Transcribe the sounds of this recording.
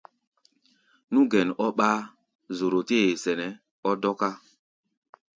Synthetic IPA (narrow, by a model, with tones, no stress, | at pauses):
nũ˦ɡɛ˨nɔ˦ɓaː˦ | zo˨ɾo˨te˦e˨sɛ˨nɛ˨ | ɔ˦dɔ˦ka˦